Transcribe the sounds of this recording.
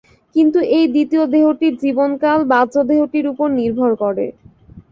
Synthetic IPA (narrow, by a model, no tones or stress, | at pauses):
kint̪uʔejd̪it̪iod̪eɦoʈiɾd͡ʑibonkalbad͡ʑod̪eɦoʈiɾupoɾniɾbʱoɾkɔɾḛ